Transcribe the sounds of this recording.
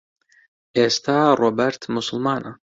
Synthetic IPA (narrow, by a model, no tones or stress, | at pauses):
eːst̪aɾɔbʲɛɾt̪mʊsʊlˠmɑːnɐ